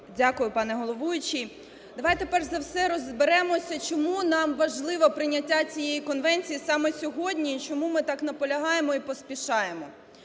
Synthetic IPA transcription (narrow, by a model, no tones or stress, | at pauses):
dʲakʊjʊpɑnɛɦɔlˠɔʋujʊt͡ʃi | d̪ɐʋɑjt̪epɛrzɐwsɛɾɔzbeɾɛmɔsʲɐt͡ʃɔmunɑmʋɐʒlˠɪʋɐpɾɪnʲɐtʲːat͡sʲijejikɔnʋɛnʲt͡sʲijisɑmɛsʲɔɦɔdʲnʲit͡ʃɔmumɪt̪ɑknɐpɔlʲɐɦɑjemɔipɔspʲiʃɑjemɔ